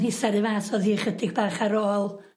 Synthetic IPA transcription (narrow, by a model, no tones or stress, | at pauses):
isaɾɨvaːsɔðiχədɪɡbaːχaɾoːlˠ